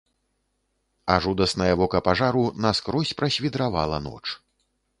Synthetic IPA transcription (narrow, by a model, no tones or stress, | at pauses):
aʐud̪ɐsnɐjɐvɔkɐpaʐaɾunɐskɾɔsʲpɾɐsʲvʲid̪ɾava̰lˠɐnɔ̰t͡ʂ